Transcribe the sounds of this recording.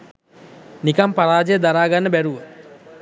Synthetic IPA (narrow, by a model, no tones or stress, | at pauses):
nikampaɾaːd͡ʒəjəd̪aɾaːɡanːəbæɾuʋə